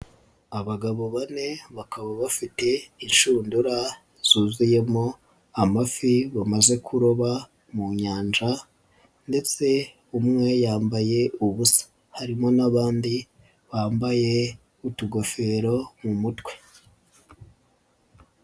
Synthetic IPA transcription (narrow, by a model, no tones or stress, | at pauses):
aβaɡaβo̞βane̞βakaβaβafite̞inʃuːnduɾa | z̥uːzuje̞mo̞ | amafiβamaze̞kʰuɾoβa | muɲaːnd͡ʒa | nde̞t͡se̞ | umŋe̞jaːmbaje̞uβusḁ | haɾimo̞naβaːndi | βaːmbaje̞ | utuɡo̞fe̞ɾo̞mumutwe̞